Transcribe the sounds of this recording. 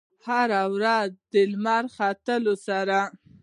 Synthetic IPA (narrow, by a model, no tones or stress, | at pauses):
haɾawɾazd̪əlmɑɾxɑt̪əlosaɾa